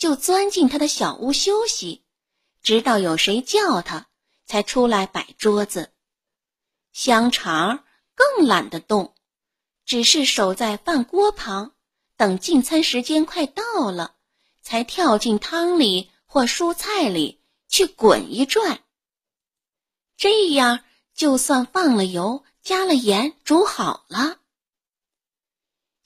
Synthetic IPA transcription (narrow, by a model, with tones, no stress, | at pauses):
t͡ɕjo˥˩ʊt͡swa˥nt͡ɕi˥˩nt̪ʰa˥d̪ə˨ɕjɑ˨˩ʊʔu˥˩ɕjo˥ʊɕi˨˩ | ʈ͡ʂɻ̩˧˥t̪ɑ˥˩ʊjo˨˩ʊʂe˧˥ɪt͡ɕjɑ˥˩ʊt̪ʰa˥ | t͡sʰa˧˥ɪʈ͡ʂʰu˥la˧˥ɪpa˨˩ɪʈ͡ʂwɔ˥t͡s̩˧ | ɕjɑ˥ŋʈ͡ʂʰɑ˧˥ | kɤ˥˩ŋla̰˨˩nd̪ə˦t̪ʊ˥˩ŋ | ʈ͡ʂɻ̩˨˩ʂɻ̩˥˩ʂo˨˩ʊt͡sa˥˧ɪfa˥˩nkwɔ˥pʰɑ˧˥ŋ | t̪ɤ˨˩ŋt͡ɕi˥˩nt͡sʰa˥nʂɻ̩˧˥t͡ɕjɛ˥nkʰwa˥˧ɪt̪ɑ˥˩ʊlə˩ | t͡sʰa˧˥ɪt̪ʰjɑ˥˧ʊt͡ɕi˥˩nt̪ʰɑ˥ŋli˨˩ | xwɔ˥˩ʂu˥t͡sʰa˥˩ɪlḭ˨˩ | t͡ɕʰy˥˩kwə̰˨˩ni˧˥ʈ͡ʂwa˥˩n | ʈ͡ʂɤ˥˧˩ja˥˩ | t͡ɕjo˥˧ʊswa˥˧nfɑ˥˩ŋlə˩jo˧˥ʊ | t͡ɕja˥lə˨jɛ˧˥nʈ͡ʂu˧˥xɑ˨˩ʊlə˦